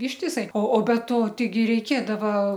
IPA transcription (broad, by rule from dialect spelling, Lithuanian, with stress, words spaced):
ɪʃʲtʲɪˈsɐɪ oː bʲɛ ˈtoː tʲɛɪˈɡʲɪ rʲɛɪˈkʲeːdɐʋɐ